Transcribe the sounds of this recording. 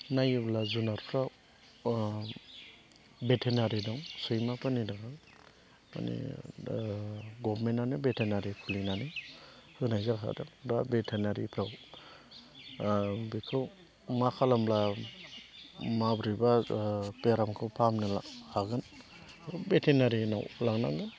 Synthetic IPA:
najblazunaɾpʰɾaw | betʰenaɾidɔŋsɯjmapanidaɡa | ma̰nḭ | ɡɔbmenanɯbetʰenaɾikʰulinanɯhɯnajzakɦa̰dɔdabetʰenaɾipʰɾaw | bikʰɾɯw | makʰalamla | mabɾibapeɾamkʰɯwpʰamnɯlahaɡɯn | betʰenaɾina̰wlaŋna̰ŋɡɯn

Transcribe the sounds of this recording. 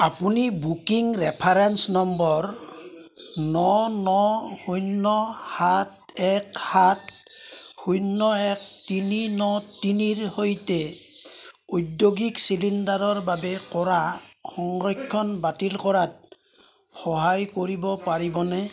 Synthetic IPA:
apunibukiŋɹɛpʰaɹɛnsnɔmbɔɹ | nɔnɔhujnːɔhatɛkhat | hujnːɔɛk̚tininɔtiniɹhojtɛ | ujdjoɡiksilindaɹɔɹbabɛkɔɹaxɔŋɹɔkʰːɔnbatilkɔɹat̚ | xɔɦajkoɹibɔpaɹibɔnɛ

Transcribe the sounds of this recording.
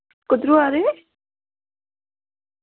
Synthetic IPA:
kʊd̪ɾuaɾe

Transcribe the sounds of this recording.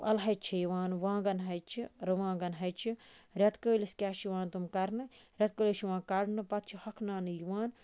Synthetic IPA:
ɐ̰lɦɐjt͡ʃʰɐjʋãːnʋãːɡɐnɦɐjt͡ʃʰiɾɨʋãːɡɐnɦɐjt͡ʃʰiɾʲɐt̪kəːliskʲaːʃiʋãːnt̪umkɐɾnɨɾʲɐt̪̚kəliʃiʋãːnkɐɾnɨpɐt̪̚t͡ʃʰihɐkʰnaːnɨjiʋãːn

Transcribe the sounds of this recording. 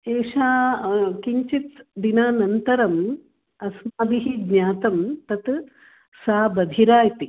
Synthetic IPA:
eːʂaːkiɲt͡ʃit͡s̪d̪inaːnɐnt̪ɐɾɐm | ɐsmaːb̪iɦiɡɲaːt̪ɐmt̪ɐt̪ | saːbɐd̪ʱiɾaːjt̪i

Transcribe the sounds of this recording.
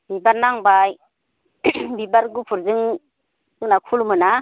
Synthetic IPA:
bibaɾnaŋbaj | bibaɾɡupʰuɾzɯŋ | zɯŋnakʰulmɯna

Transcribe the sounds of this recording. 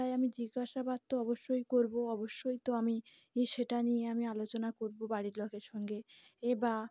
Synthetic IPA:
ajamid͡ʑiɡːaʃabad̪̚t̪oɔboʃːojkoɾboɔboʃːojt̪oami | eʃeʈanijeamialot͡ɕonakoɾbobaɽiɾlokeɾʃɔŋɡe | eba

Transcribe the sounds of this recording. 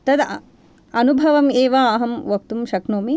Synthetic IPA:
t̪ɐd̪ | ɐnubʱɐʋɐmeːʋaːɦɐmʋɐk̚t̪umʃɐknoːmi

